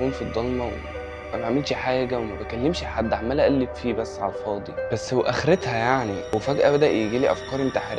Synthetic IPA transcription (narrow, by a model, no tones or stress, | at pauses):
uːnfid̪ˤːɑlmɑwḛ | mæbæʕamelʃeħaːjæɡæwemæbækælːemʃħad̪ːaʕmælæʔælːefiːbæsːʕalfɑːd̪ˤib̥æsːweʔæxɾet̪hæjaʕniwefæɡʔæbæd̪æʔjeɡiːliːʔæfkɑːɾimt̪aħɾ